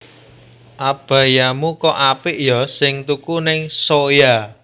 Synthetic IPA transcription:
ʔab̥ä̤jamukɔʔapɪʔjɔsɪŋt̪ukunɪŋsoja

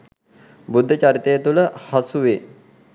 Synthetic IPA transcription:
bud̪ʱːət͡ɕaɾit̪ejət̪uləhasuʋe

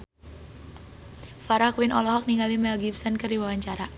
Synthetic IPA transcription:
faɾakwinʔɔlɔɦɔk̚niŋɡalimɛlɡipsənkərdiwawaɲt͡ʃaɾa

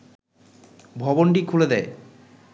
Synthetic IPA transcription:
bʱɔbonʈikʰuled̪ɛe

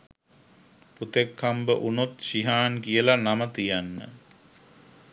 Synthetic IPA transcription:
put̪ekʰːambəʔunut̪ʃiɦaːnkijəlanamət̪ijanːə̰

